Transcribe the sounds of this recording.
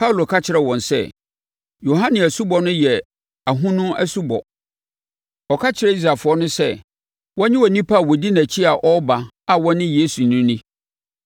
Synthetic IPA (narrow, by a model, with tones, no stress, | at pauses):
pʰa˦u˨lo˨kʰa˦t͡ɕʰɪ˨ɾɛ˨wɔ̃˨nsɛ̰˦ | jo˨ɦã˦nɪ̃˨æ˨su˦bɔ˨nʊ̃˦jɛ˨ | a˨ɦũ˦nʊ̃˦æ˦su˦bɔ̰˨ | ɔ˨kʰa˦t͡ɕʰɪ˨ɾɛ˦i˦s̬ɾa˨fʊ˨ɔ˦nʊ̃˦sɛ̰˦˨ | wɔ̃˦ɲɪ̃˦wɔ˨nĩ˦pʰa˦˨wɔ˨di˦næ̃˨t͡ɕʰi˦a˨ʔɔ˦ba˨ | a˦wɔ˦nɪ̃˦je˦su˨nʊ̃˦nĩ˦